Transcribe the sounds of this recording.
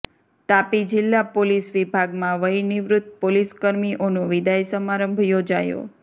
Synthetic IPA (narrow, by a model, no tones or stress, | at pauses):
t̪apid͡ʒɪlːapolisʋibʱaɡmãʋəjnɪʋɾʊt̪̚ːpoliskəɾmiʔonũʋid̪ajsəmaɾəmbʱjod͡ʒajo̰